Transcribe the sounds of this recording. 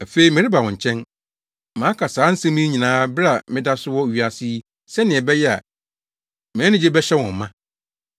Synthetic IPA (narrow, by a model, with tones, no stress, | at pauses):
æ˨fe˦i˨mɪ̃˨ɾɪ˦ba˨wɔ̃˨ɲ̩˨t͡ɕʰɛ̃˦n | mã˨˦kʰa˨saː˨˦n̩˦sã˦mĩ˦ɲĩ˨nãː˦bɪ˦ɾa˨mɪ̃˦da˦sʊ˦wɔ˦˨ɥi˨a˨si˦ | sɛ˦nɪ̃˨ɛ˨bɛ˦jɛ˦a̰˨ | mɪ̃˨˦nɪ̃˦d͡ʑe˦bɛ˦ɕɛ˦wɔ̃˨m˨mã˦